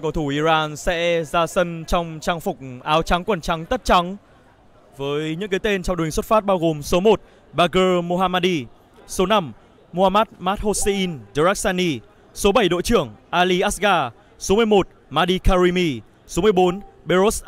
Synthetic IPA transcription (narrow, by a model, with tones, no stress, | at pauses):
kɔ˨˧˩t̪ʰu˧˩ʔi˧zaː˧nsɛ̰˧˥zaː˧sə˧nt͡ɕɔ˧wŋ͡mt͡ɕaː˧ŋfʊ˨˩k͡p̚ʔaː˨˦wt͡ɕa˨˦ŋkwə˨˩nt͡ɕa˨˦ŋt̪ə˦˥t̚t͡ɕa˨˦ŋ | vəː˨˦jɲɨ̰˧˥ŋkaː˨˦t̪e˧nt͡ɕɔ˧ŋ͡mɗŋswə˦˥t̚fa˦˥t̚ɓaː˧wɣo˨˩mso˨˦mo˨˩t̚ | ɓaː˧ɣəː˧mo˧ɦaː˧maː˧ɗi˧ | so˨˦na˧m | mo˧haː˧maː˦˥t̚maː˦˥t̚ho˧se˧ʔi˧nzə˧zaː˦˥k̚sa˧ni˧ | so˨˦ɓa˧˩jɗo̰˧˨jt͡ɕɨ˧˩əŋʔaː˧li˧ʔaː˦˥s̚ɣaː˧ | so˨˦mɨ˧əjmo˨˩t̚maː˧ɗi˧kaː˧ɹi˧mi˧ | so˨˦mɨ˧əjɓo˨˦nɓe˧zo˦˥s